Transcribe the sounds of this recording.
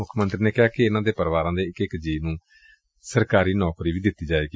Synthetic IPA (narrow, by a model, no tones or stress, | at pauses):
ʊkʰmə̃nt̪ɾneːkɪɦaːkeɪnãːd̪eːpəɾʋaːɾãːd̪eːɪkɪkd͡ʒiːnũː | səɾkaːɾiːnɔːkɾiːʋiːd̪ɪt̪ːiːd͡ʒaːeːki